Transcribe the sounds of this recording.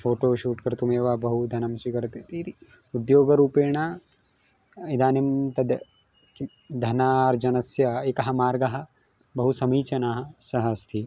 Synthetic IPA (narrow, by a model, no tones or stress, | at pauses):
fʰoːʈoːʃuːʈkɐɾt̪umeːʋaːbɐɦud̪ʱɐnɐmsikɐɾt̪it̪it̪i | ud̪joːɡɐɾuːpeːɳaː | id̪aːnimt̪ɐd̪ | ki | d̪ʱɐnaːɾd͡ʒɐnɐsjɐeːkɐɦɐmaːɾɡɐɦɐ̆ | bɐɦusɐmiːt͡ʃɐnaːɦɐsɐɦɐst̪ʰi